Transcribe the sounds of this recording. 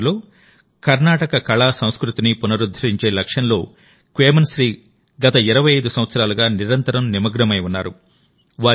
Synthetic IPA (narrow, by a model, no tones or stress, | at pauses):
lo̞ː | kɐɾnaːʈɐkɐkɐɭaːsɐw̃skɾut̪inipunɐɾud̪ʱːɐɾiɲt͡ʃe̞ːlɐkʂɐnlo̞ː | kʋeːmɐnsɾiː | ɡɐt̪ɐiɾɐʋɐjɐjd̪usɐm̃ʋɐt̪sɐɾaːluɡaːniɾɐnt̪ɐɾɐmnimɐɡɾɐmɐjunːaːɾṵ | ʋaː